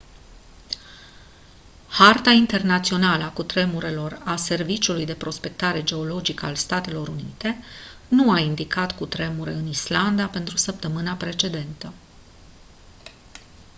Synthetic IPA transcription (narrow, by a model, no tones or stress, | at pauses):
hart̪aint̪e̞rnat̪sio̞naləakut̪ɾe̞muɾe̞lo̞rase̞rvit͡ʃiulujd̪e̞pɾo̞spe̞k̚t̪aɾe̞d͡ʒe̞o̞lo̞d͡ʒikəalst̪at̪e̞lo̞ɾunit̪e̞nuaind̪ikat̪kut̪ɾe̞muɾe̞ɨnisland̪ape̞nt̪ɾusəp̚t̪əmɨnapɾe̞t͡ʃe̞d̪e̞nt̪ə